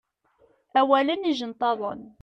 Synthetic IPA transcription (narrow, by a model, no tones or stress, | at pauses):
æwæləniʒənt̪ˤɑðˤə̰n